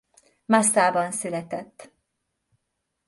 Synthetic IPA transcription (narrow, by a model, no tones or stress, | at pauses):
masaːbɒnsylɛt̪ɛt̪ː